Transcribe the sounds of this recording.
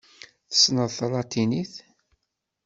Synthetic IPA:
θə̥snəðˤθlˤɑt̪iniθ

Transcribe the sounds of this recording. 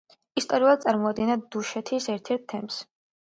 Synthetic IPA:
ist̪ʼɔɾiulˠad̪sʼaɾmɔad̪̚ɡinad̪̥uʃɛt̪ʰisɛɾt̪ʰɛɾt̪ʰːɛms

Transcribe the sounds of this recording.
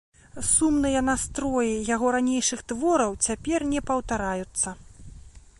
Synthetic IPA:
sumnɨjɐnast̪ɾɔjijaɣɔɾanʲejʂɨxt̪vɔɾɐwt͡sʲapʲɛrnʲɛpɐwt̪aɾajut̪sːɐ

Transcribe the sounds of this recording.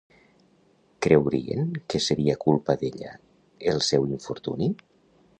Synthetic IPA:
kɾewɾḭḛnkeseɾiakulˠpaðeʎa̰ | elˠsɛwiɱfuɾt̪uni

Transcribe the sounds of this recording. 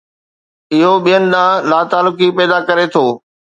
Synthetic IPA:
ɪɦoɓijənɪ̆ɗ̪ãːlaːt̪aːlʊkipɛːd̪akɐɾet̪ʰoː

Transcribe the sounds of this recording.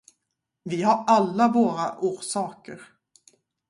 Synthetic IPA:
vɪhaɾalːavoːɾa̰ʔuːɾʂɑːkəɾ

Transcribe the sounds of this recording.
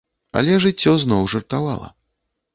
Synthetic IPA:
ɐ̰lʲɛʐɨt͡sʲːɔznɔwʐɨrt̪ava̰lˠɐ̰

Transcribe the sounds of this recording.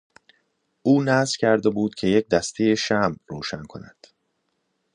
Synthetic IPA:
ʔuːnæzcʰæɾd̪e̞buːd̪̥cʰe̞je̞c̚d̪æst̪ʰeje̞ʃæmroːʃænkʰo̞̰næd̪̥

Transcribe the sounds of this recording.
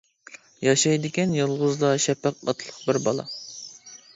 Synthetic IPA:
jɑʃɑjd̪ɪkʲɛnjolˠʁʊzd̪ɑʃɛpæqɑ̰t̪ʰlˠəqbɪɾbɑlˠɑ̰

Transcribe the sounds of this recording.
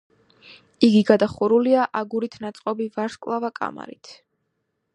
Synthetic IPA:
iɡiɡad̪aχuɾuliaʔaɡuɾit̪ʰnat̪sʼqʼɔbivaɾʃkʼlˠavakʼa̰ma̰ɾḭt̪ʰ

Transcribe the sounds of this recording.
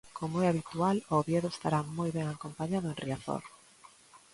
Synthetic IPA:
komoɛaβit̪ualoβjeðʊest̪aɾamojβɛŋakompaɲaðʊenriaθo̰ɾ

